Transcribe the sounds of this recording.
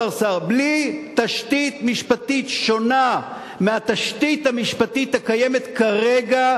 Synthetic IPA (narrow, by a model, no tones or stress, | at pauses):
aʁsaʁblit̪aʃt̪it̪miʃpat̪it̪ʃo̞na | meat̪aʃt̪it̪hamiʃpat̪ithakajeme̞t̪kaʁeɡa